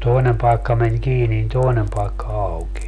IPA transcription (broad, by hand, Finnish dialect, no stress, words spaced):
toinem pɑikːɑ men kiːni nin toinem pɑekːɑ ɑukenʲ